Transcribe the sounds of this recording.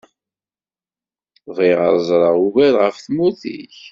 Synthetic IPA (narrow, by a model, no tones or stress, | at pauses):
viʁə̰ɾˤzˤɾˤəʁuvælʁəfθmuθḭç